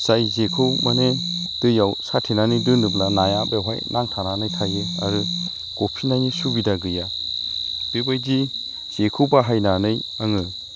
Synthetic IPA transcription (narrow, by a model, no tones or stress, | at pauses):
sajzekʰɯmane | d̥ɯjawsatʰenanidɯnɯblanajabeɦa̰jnaŋtʰananɯjtʰajɯa̰ɾɯ | ɡ̥opʰinajnisubidaɡɯja | b̥ebajzi | z̥ekʰɯwbaɦajnanɯj | aŋɯ